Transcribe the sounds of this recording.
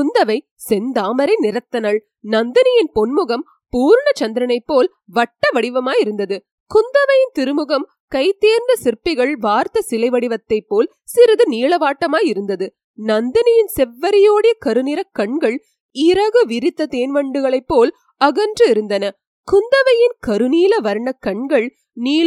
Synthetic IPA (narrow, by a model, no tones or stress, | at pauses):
kʊnd̪ɐʋɐɪ | sɛnd̪aːmɐɾɐɪnɪɾɐt̪ːɐnɐɭ | nɐnd̪ɐnɪjɪnpɔnmɯɣɐm | puːɾɳɐt͡ʃɐnd̪ɪɾɐnɐɪpːoːl | ʋɐʈːɐʋɐɽɪʋɐmaːjɪɾɯnd̪ɐðɯ | kʊnd̪ɐʋɐjɪnt̪ɪɾɯmɯɣɐm | kɐɪt̪ːeːɾnd̪ɐsɪɾpɪɣɐɭʋaːɾt̪ɐsɪlɐɪʋɐɽɪʋɐt̪ːɐɪpːoːl | sɪɾɐðɯniːɭɐʋaːʈːɐmaːjɪɾɯnd̪ɐðɯ | nɐnd̪ɐnɪjɪnsɛʋːɐɾɪjoːɽɐjɐkɐɾɯnɪɾɐkɐɳɡɐɭ | ɪɾɐɣɯʋɪɾɪt̪ːɐt̪eːnʋɐɳɖɯɣɐɭɐɪpːoːl | ɐɣɐndrɯɪɾɯnd̪ɐnɐ | kʊnd̪ɐʋɐjɪnkɐɾɯniːlɐʋɐɾɳɐkːɐɳɡɐɭ | niːl